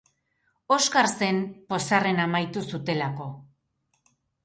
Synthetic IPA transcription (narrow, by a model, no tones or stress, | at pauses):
o̞skaɾse̞mpo̞sare̞namajt̪usut̪e̞lako̞